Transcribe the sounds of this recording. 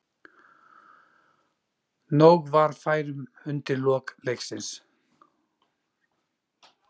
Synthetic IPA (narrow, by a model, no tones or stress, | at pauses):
nowɣvaɾ̥faːjɾʏm | ʏnt̪ɪɾlɔːklejxsɪns